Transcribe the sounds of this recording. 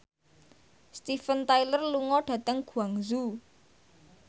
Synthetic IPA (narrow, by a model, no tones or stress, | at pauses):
st̪ifənt̪ajlərluŋɔɖ̥ä̤t̪əŋɡ̥ṳaŋzu